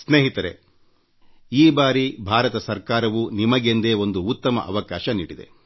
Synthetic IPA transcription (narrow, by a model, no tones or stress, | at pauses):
sneːɦit̪ɐɾe | iːbaːɾibʱaːɾɐt̪ɐsɐɾkaːɾɐʋunimɐɡend̪e̞ːo̞nd̪uut̪ːɐmɐ̰ʔɐʋɐkaːʃɐnḭːɽid̪e̞̰